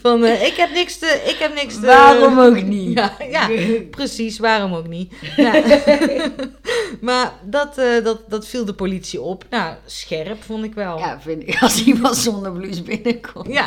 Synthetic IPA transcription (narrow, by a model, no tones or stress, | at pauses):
fɔnɪkhɛp̚nɪkstəʔɪkhɛpnɪkstəʋaːromoknijajaprəsisʋaːromoknia | mardɔtdɔtdɔtfilˠdəpolitsiopnawsxɛrpfontɪkʋɛlˠjavɪntɪkɔlˠsiʋɔlzondərblysbɪnəkʰɔmja